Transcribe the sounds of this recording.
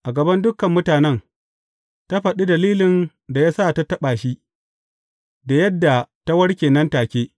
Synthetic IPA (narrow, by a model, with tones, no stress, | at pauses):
ʔa˨ɡɐ˨bɐ˦ndʊ˦kɐ˨mːʊ˦taː˨nɛ˦n | ta˦ɸɐ˨ɗi˦dɐ˨liː˦lɪ˨n | da˨jaː˦saː˦˨ta˦tɐ˦ɓaː˨ʃi˦ | da˨jɐ˦dːa˨ta˦wɐ˦ɽkʲeː˨nɐ˦ntaː˨kʲeː˦